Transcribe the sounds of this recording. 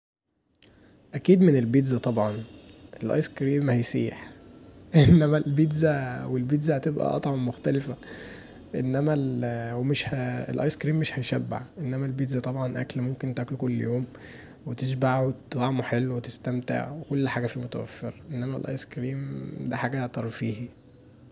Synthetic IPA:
ʔækiːd̪menelbid̪zæt̪ˤɑbʕɑnʔelʔɑ̰jskɾiːmhæjsḭːħʔenːæmælbid̪zæwelbiːd̪zæhæt̪ebʔæ̰ʔɑ̰t̪ˤʕɑbmoxt̪ælefæ | ʔenːæmælwemeʃhæḛlʔɑ̰jskɾiːmːeʃhæjʃæbːa̰ʕʔenːæmælbiːd̪zæt̪ˤɑbʕɑnʔæ̰klmomkent̪ʔæklkolːjoːm | wet̪eʃ̬baʕwet̪t̪lɑʕmuħelːwet̪est̪æmt̪ḛʕwekolːħaːɡæfimot̪æwæ̰fːḛɾʔenːæmælʔɑ̰jskɾiːmd̪æħaːɡæt̪ɑɾˤfiːhi

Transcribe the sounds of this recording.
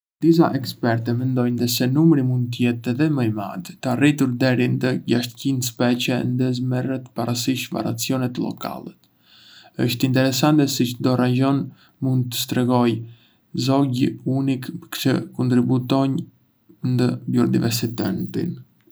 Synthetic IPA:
d̪̥is̬a̰ʔɛkspɛɾt̪ɛmɛnd̪ɔjnd̪əsɛnumɾimund̪̚t̪əjɛt̪ɛðɛməjma̰d̪t̪əarit̪uɾd̪ɛɾind̪əɟaʃt̪cinspɛt͡ɕɛnd̪əzmɛrət̪paɾasiʃva̰ɾa̰t͡siɔnɛt̪lɔ̰ka̰lɛt̪ | əʃt̪int̪ɛɾɛsant̪ɛsit͡ʃd̪ɔɾad͡ʒɔn | mund̪̚t̪ːə̥st̪ɾɛɡɔj | zɔɟunikt͡ʃəkɔnt̪ɾibut̪ɔɲ | nd̪əbjɔɾd̪ḭvɛɾsit̪ɛnt̪ḭn

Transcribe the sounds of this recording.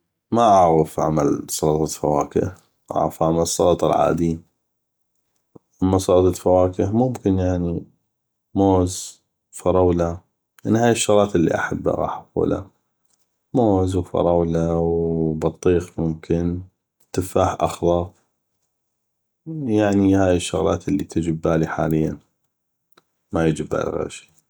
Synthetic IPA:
maʔaʕɣəfʕa̰malsˤɑlɑt̪ˤɑfawaːkɪ̰h | ʔa̰ʕɣafʕamalsˤːɑlt̪ˤɑlʕa̰ːd̪i | ʔamːasˤɑlt̪ˤɑt̪fawaːkɪhmʊmkɪnjaʕni | moːz | fɑɾˤɑwla | jaʕnːihaːjɪʃːɑɣˤɾˤɑːt̪ʔəlːḭʔa̰ħabːa̰ɾˤɑ̰ːħafṵːla̰ | moːzwfɑ̰ɾˤɑwlawbɑt̪ˤːiːqmʊmkɪn | t̪ɪfaːħʔɑ̰xðˤɑ | jaʕnihaːjɪʃːʊ̰ɣlɑ̰ːt̪ɪlːit̪ʰɪd͡ʒɪbːaːliħaːlɪjːan | majɪd͡ʒɪba̰ːl̰ɣa̰ʃi̥

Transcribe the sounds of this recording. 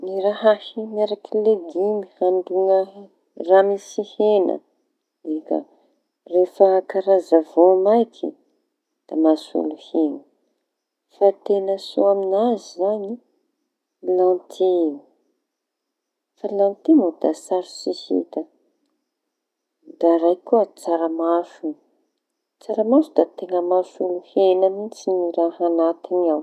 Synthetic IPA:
niɾaɦahimaɾakileɡimihaɳɖ͡ʐuŋə | ramisihenə̰ | ekə̰ | refəkaɾazavomajkʰḭ | d̪̥amasṵluheŋə | fat̪enəsoaminazizaɲi | lant̪ʰi | falãnt̪imod̪asaɾsisḭt̪ə | d̪aɾajkuət͡saɾamafu | t͡saɾamafud̪at̪eŋəmasuluhenəmit͡siniɾaɦanat̪inaw

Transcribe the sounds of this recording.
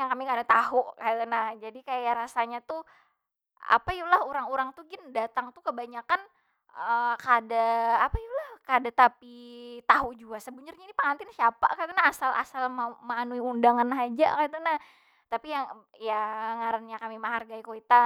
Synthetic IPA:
jaŋkamikadat̪aɦuʔkaaənahd͡ʒadikajaɾasaɲat̪u | a̰pajulahuɾaŋuɾaŋt̪uɡɪndat̪aŋt̪ukəbaɲakan | əkaːdaːpaulahkaadat̪apit̪aɦud͡ʒuɡasəbuɲərɲainipaŋant̪ɪnsiapa̰kat̪anaasalʔa̰salməmanuiundaŋanɦad͡ʒa̰kat̪anah | t̪apijaŋ | jaŋaɾanɲakamiməɦarɡaikoit̪a

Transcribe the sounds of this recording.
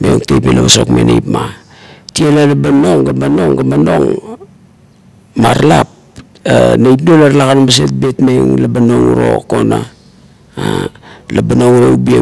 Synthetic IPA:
meoŋtejpelaβaso̞̰kmḛnḛjpma | tielalabano̞ŋɡabano̞ŋɡabano̞ŋ | maɾlap̚ | anajtnolaɾlakanobas̬e̞t̚betmeŋlabano̞ŋuɾo̰ko̞na̰ | alabanoŋuɾoubie

